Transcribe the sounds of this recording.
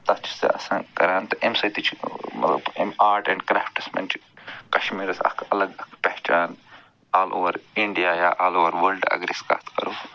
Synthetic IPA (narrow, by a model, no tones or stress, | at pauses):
t̪ɐst͡ʃʰi̥sḛɐsãːkɐɾaːnt̪ɐʔemsɐt̪it͡ʃʰmɐ̰t̪lɐbemaːɾʈɛ̃ɳɖkɾaːfʈɐsmɐ̰nʈkɐʃmiːɾɐsɐ̰kʰɐlɐɡɐkʰpɛht͡ʃaːn | aːlʔo̰ːʋɐɾiɳɖijaːjaʔaːloːʋɐɾʋɐlɖɐ̰ɡɾiska̰ːt̪ʰkɐɾu